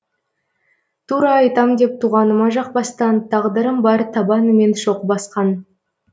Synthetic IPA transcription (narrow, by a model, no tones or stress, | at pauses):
t̪ʰuɾɑːjt̪ɑmd̪e̞p̚t̪ʰuʁɑnəmɑʒɑq̚bɑst̪ɑnt̪ʰɑʁd̪əɾəmbɑɾt̪ʰɑbɑnəme̞nʃo̞qəbɑsqɑn